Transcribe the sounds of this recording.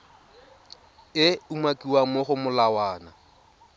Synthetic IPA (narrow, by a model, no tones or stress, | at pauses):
ɪumakʼiwamoχʊmʊlawaːna